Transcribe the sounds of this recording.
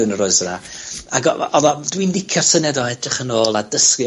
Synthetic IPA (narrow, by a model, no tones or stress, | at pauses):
ɨnəɾʊɨsənaaɡɔɔðɔdwindɪkʰjɔrsənɛdɔɛdrɪχənoːlˠadəskj